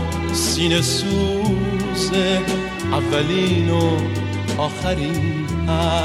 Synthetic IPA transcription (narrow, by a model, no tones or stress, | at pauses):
sinesu | ze | avɛlino | ɔχaɾi | a